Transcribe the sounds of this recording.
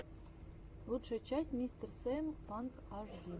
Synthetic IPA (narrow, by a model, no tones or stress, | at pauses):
lˠut̪ʂə̆t͡ɕasʲtʲmʲisʲt̪ʲrsempɑnkɑʐdʲi